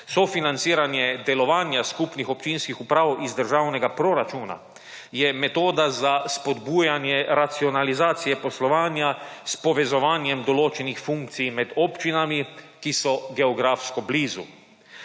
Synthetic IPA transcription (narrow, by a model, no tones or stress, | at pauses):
sɔfinant̪siːɾanjɛd̪ɛlɔʋaːnjaskupnixɔpt͡ʃiːnskixupɾaːwʔizd̪əɾʒawnɛɡapɾɔɾat͡ʃuːna̰ | jɛmɛt̪oːd̪azaspɔd̪buːjanjɛɾat̪siɔnalizaːt̪sijɛpɔslɔʋaːnjaspɔʋɛzɔʋaːnjɛmd̪ɔloːt͡ʃɛnixfuŋk̚t̪sijmɛd̪ɔpt͡ʃinami | kisɔɡɛɔɡɾaːfskɔbliːzu